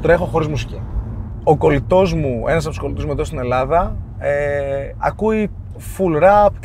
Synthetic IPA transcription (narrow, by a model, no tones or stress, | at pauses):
t̪ɾe̞xo̞xo̞ɾizmusi̥ci | oko̞lit̪o̞zmuenɐs̬ɐpt̪usko̞lit̪ozmueðost̪ine̞lɐðɐ | eɐ̰kui | fulɾɐp̚t̪